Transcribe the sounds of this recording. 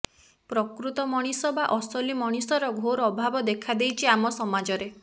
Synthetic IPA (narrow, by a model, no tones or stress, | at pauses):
pɾɔkɾut̪ɔmɔɽ̃isɔbaʔɔsɔlimɔɽ̃isɔɾɔɡʱoɾɔɔbʱabɔd̪ekʰad̪ejt͡ʃʰiamɔsɔmad͡ʒɔɾe